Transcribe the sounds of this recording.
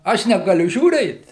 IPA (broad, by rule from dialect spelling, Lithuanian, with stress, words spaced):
ˈɐʃ nʲɛɡɐˈlʲʊ ʒʲuːˈrʲeːt